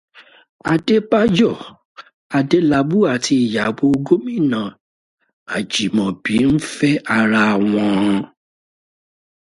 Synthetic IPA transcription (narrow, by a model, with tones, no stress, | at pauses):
a˧de˦pa˦d͡ʒɔ˦˨ | a˧de˦la˧bu˦a˨tʰi˧i˨ja˨ɡ͡bo˧ɡo˦mĩ˦˨nã˨ | a̰˨d͡ʒi˨mɔ̃˨bi˨˦n̩˦fɛ˦a˧ɾa˧˨w̃ɔ̃˧